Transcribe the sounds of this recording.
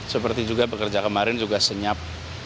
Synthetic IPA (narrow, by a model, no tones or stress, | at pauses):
səpərt̪id͡ʒuɡabəkərd͡ʒakəmaɾɪnd͡ʒuɡasəɲap̚